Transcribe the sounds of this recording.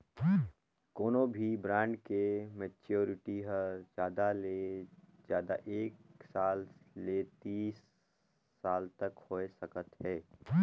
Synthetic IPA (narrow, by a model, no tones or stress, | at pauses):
koːnõbʱibɾãːɳɖkemɛt͡ʃoːɾɪʈiɦəd͡ʒjaːd̪aled͡ʒjaːd̪aʔeːksaːllet̪iːsː | aːlt̪əkhoːesɐkət̪ɦɛː